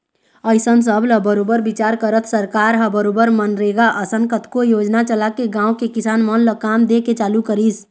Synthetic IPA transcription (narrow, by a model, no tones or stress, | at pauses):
əjsənsəbləbəɾobəɾbit͡ʃaɾkəɾət̪ʰsəɾkaɾɦəbəɾobəɾmənɾeɡaʔəsənkət̪kojod͡ʒnat͡ʃəlakeɡãũkekisanmənləkamd̪eket͡ʃaːlukəɾis